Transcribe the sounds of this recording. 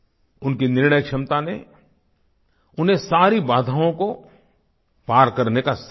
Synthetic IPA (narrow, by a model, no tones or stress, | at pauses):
ʊnkinɪɾɳəjkʃɐmt̪ane | ʊnɦẽsaːɾibaːd̪ʱaõko | paːɾkɐɾnekas